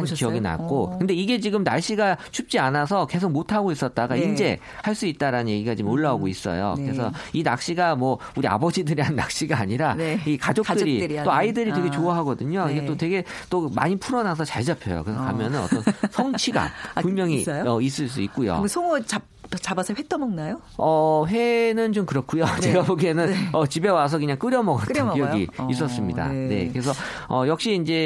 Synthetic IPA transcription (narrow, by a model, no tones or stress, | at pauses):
kiʌɡina̰k͈okɯnde̞iɡe̞t͡ɕiɡɯmnaɭɕ͈iɡat͡ɕʰup̚t͡ɕ͈ianas̬ʰʌke̞sʰok̚motʰaɡois͈ʌt̚t͈aɡaind͡ʑe̞ | haɭs͈uit̚t͈aɾanɯnje̞ɡiɡat͡ɕimoɭːaoɡois͈ʌ̰jo̰kɯɾe̞sʰʌina̰k̚ɕ͈iɡamwʌ | uɾia̰bʌd͡ʑidɯɾianːa̰k̚ɕ͈iɡaːɲiɾanikad͡ʑokt͈ɯɾit͈oaidɯɾitwe̞ɡe̞t͡ɕoaɦaɡʌdɯɲoiɡe̞t͈otwe̞ɡe̞ | t͈oma̰ɲipʰuɾʌnas̬ʰʌt͡ɕaɭd͡ʑapʰjʌ̰jo̰kɯɾesʰʌkamjʌnɯnʌ̰tʌnsʰʌŋt͡ɕʰiɡa̰punmjʌŋiʌis̬͈ɯɭs̬͈uik̚k͈ujo̰sʰoŋot͡ɕa | t͡ɕabasʰɯɭɸet͈ʌnmʌŋnajo | ʌɸe̞nɯnt͡ɕomkɯɾʌk͈ʰujot͡ɕeɡaboɡenɯnʌt͡ɕibe̞was̬ʰʌkɯɲaŋk͈ɯɾjʌmʌɡatʰɯnijʌɡiis̬͈ʌs͈ɯmɲida̰ne̞̰kɯɾe̞sʰʌ | ʌjʌk̚ɕ͈iːnd͡ʑe̞